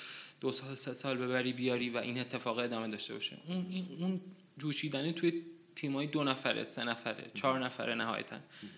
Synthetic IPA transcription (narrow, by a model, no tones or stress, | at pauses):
d̪̥osɒsesɒːlbe̞bæɾiːbijɒːɾiːvæʔiːne̞t̪ʰːe̞fɒːɣe̞d̪ɒːme̞d̪ɒːʃt̪e̞bɒ̰ːʃḛʔuniun | d͡ʒuːʃiːd̪ænet̪ʰuje | t̪ʰiːmɒːjed̪onæfæɾḛse̞næfæɾḛt͡ʃʰɒːɾnæfæ̰ɾenæɦɒ̰ːjæ̰t̪ʰæ̰n